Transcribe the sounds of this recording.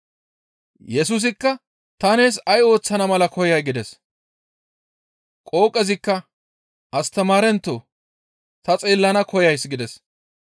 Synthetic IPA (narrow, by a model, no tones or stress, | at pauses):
jɛs̬ʊs̬ɪkːɐ | t̪ɐne̞ːs̬ɐjo̞ːt͡sːɐnɐmɐlɐkʰɔjɐjɡɪd̪ɛs | kʼo̞ːkʼːɛzɪkːɐ | ɐst̪ɐmaːɾɛnt̪ːoː | t̪ɐt͡sʼeːlːɐnɐkʰɔjɐjsɡɪd̪ɛs